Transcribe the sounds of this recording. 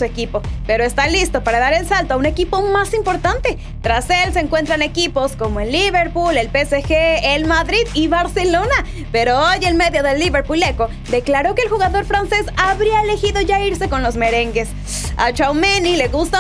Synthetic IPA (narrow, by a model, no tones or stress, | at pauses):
ue̞kipo̞pe̞ɾo̞e̞st̪alist̪opaɾaðaɾe̞lsalt̪oaune̞kipo̞masimpo̞ɾt̪ant̪e̞ | t̪ɾase̞lseːŋkwe̞nt̪ɾane̞kipo̞sko̞moelːiβe̞ɾpule̞lpe̞sexeːlmaðɾiðiβaɾse̞lo̞na | pe̞ɾoojelme̞ðjo̞ðe̞lːiβe̞ɾpule̞ko̞ | d̪e̞klaɾo̞keːlxuɣaðo̞ɾfɾanse̞saβɾiaele̞xiðo̞ʝaiɾse̞ko̞nlo̞zme̞ɾe̞ŋɡe̞s | a̰t͡ʃawmenileɣust̪a